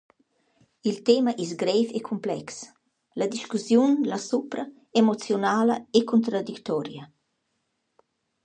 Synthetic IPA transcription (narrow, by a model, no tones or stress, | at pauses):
ilt̪eːmaʔis̬ɡɾɛfekʰumplɛks | lad̪iʃkusjunlasupɾɐ | emot͡sjonaːlɐ̰ekunt̪ɾad̪ikt̪ɔɾjɐ